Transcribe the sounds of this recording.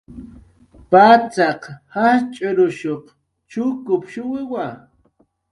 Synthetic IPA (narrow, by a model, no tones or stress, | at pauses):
pat͡sɑqhat͡ʃʼʊɾʊʃoχ | t͡ʃʊkʊpʃʊwɪwa